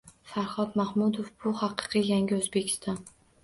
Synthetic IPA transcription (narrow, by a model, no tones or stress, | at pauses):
faɾχɒd̪mahmʊd̪ofbʊhɑqɨ̥qʰɨjaŋʲɪɵzbe̞kʲʰɪ̥st̪ɒn